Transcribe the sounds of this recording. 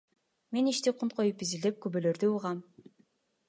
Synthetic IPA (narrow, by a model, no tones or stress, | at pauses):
me̞niʃt̪iqʰunt̪qʰo̞jupizild̪ep̚kybøløɾd̪yuʁɑm